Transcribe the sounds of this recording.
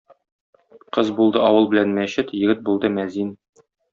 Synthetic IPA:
qɤzbulˠd̪ɤɒwɤlˠbɘ̆lænmæɕɘt̪jɘ̆ɡɘt̪̚bulˠd̪ɤmæzin

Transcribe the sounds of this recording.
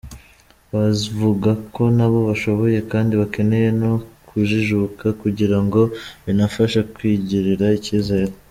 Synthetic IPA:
βazivuɡako̞naβo̞βaʃo̞βo̞je̞kaːndiβake̞ne̞je̞no̞kʰuʒiʒukakuɟiɾaŋɡo̞βinafaʃakwiːɟiɾiɾaiciːzaeɾo

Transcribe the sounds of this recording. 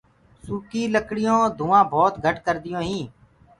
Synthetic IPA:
suːkiːləkɽɪjõːd̪ʱũːãːbʱoːt̪ɡʱəʈkəɾd̪ɪjõːɦĩː

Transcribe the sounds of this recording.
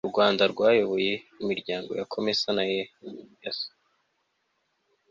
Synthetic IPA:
uɾɡwaːndaɾɡwaːjo̞βo̞je̞imiɾɟaːŋɡo̞jakʰo̞mesanajejaso̥

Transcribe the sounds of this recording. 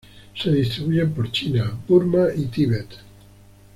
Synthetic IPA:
se̞ðist̪ɾiβuʝempoɾt͡ʃinapuɾmaʔit̪iβet̪

